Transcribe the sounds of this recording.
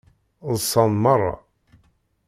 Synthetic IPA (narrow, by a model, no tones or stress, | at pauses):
ðsɑnmɑrˤːɑ̰